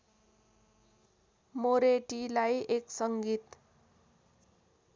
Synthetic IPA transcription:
moɾeʈilajʔeksʌŋɡit̪

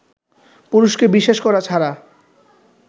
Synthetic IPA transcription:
puɾuʃkebiʃeʃkɔɾat͡ɕʰaɾa

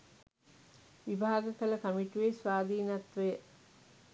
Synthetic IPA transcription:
ʋibʱaːɡəkələkəmiʈiʋesʋaːd̪iːnat̪ʋəjə

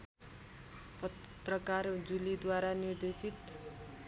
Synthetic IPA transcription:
pʌt̪rʌkard͡zulid̪waɾanird̪esit̪

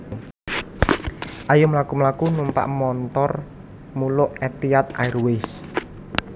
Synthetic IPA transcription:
ʔajʊmlakumlakunumpa̰ʔmɔnt̪ɔr | mulʊʔɛt̪iat̪̚a̰irwɪs

